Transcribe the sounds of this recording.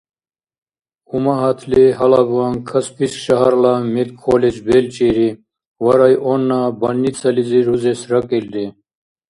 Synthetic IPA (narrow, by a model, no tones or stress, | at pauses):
umaɦɐt̪ʰleɦɐlabuwaŋkʰɐspiskɕɐɦaɾlamelkʰːoːled͡ʑbeːlt͡ɕiːɾi | wɐɾajʔonːabɐnːit͡sʰɐliziɾuzesɾɐkild̪e